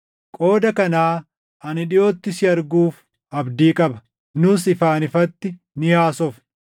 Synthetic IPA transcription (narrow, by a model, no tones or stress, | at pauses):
kʼo̞ːd̪ɐkɐnaː | ɐnɪᶑɪjo̞ːt̪ːɪsɪɐɾɡuːf | ʔɐbd̪iːkʼɐbɐ | nʊsɪfaːnɪfɐt̪ːɪ | nɪhaːsɔf